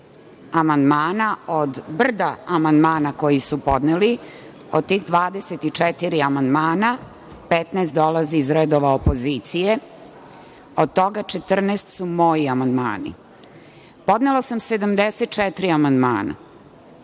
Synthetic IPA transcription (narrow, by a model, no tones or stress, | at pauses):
amand̪maːnaod̪br̩d̪aamand̪maːnako̞jisupo̞d̪neli | od̪̚t̪iːxd̪ʋaːd̪eset̪it͡ʃɛt̪iɾiamand̪maːna | pet̪neːst̪d̪o̞laziːzɾed̪oʋaopo̞zit̪sije | od̪̚t̪o̞ɡat͡ʃet̪r̩neːst̪sumo̞jiamand̪ma̰ːnḭ | po̞d̪nelasamsed̪amd̪eset̪̚t͡ʃɛt̪ɾiamand̪ma̰ːna̰